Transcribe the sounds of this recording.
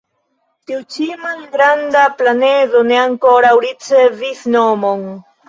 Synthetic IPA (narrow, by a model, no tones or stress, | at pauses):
t̪iut͡ʃimalɡɾand̪aplaneðoneaŋkoɾawɾit͡seviθnomoŋ